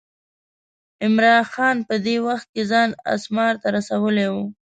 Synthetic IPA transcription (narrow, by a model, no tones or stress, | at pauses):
ɪmɾɑnxɑnpəd̪ewaxt̪̚kezɑna̰smɑɾt̪aɾasawəlewu